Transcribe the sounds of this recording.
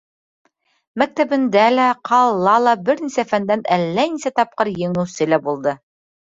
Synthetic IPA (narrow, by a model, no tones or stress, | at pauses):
mæk̚t̪æβɘ̆nd̪ælæqʰɑlˠːɑlˠɑbɘ̆ɾnisæfænd̪ænælːænisæt̪ɑp̚qɤɾjɘ̆ŋɘ̆wsɘlæbulˠd̪ɤ